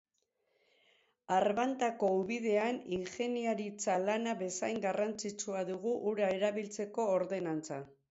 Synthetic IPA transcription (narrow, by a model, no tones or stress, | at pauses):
arβant̪ako̞uβiðe̞aniŋxe̞niaɾit͡salanaβe̞sajŋɡarant͡sit͡suaðuɣuʔːɾae̞ɾaβilt͡se̞ko̞ːɾðe̞nant͡sa